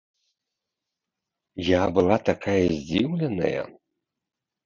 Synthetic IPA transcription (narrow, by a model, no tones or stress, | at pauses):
jaːbɨlatʰakʰaizdʲiwlʲena̰ja̰